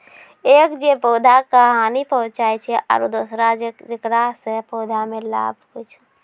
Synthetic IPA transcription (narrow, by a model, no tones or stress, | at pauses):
eːkd͡ʒepoːd̪ʱakəɦaːnipəɦʊ̃t͡ʃaːet͡ʃʰɛʔa̰ɾod̪osɾad͡ʒɪkɾasepoːd̪ʱamẽla̰ːb̚ʱkʊt͡ʃʰ